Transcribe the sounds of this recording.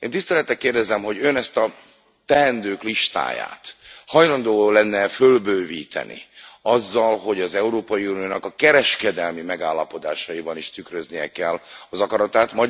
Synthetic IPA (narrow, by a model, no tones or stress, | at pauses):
eːnt̪ist̪ɛlɛt̪ːɛkːeːrd̪ɛzɛmɦo̞ɟønɛst̪ɒ | t̪ɛɦɛnd̪øːkliʃt̪a̰ːja̰ːt̪hɒjlɒnd̪oːlɛnːɛfølbøːviːt̪ɛ̰nʔḭɒzːɒlɦo̞ɟɒzɛuɾoːpɒjiuːnijoːnɒkɒkːɛɾɛʃkɛd̪ɛlmimɛɡaːlːɒpo̞d̪a̰ːʃɒjibɒniʃt̪ykrøznijɛ̰kɛlːɒzɒkɒɾɒt̪aːt̪mɒ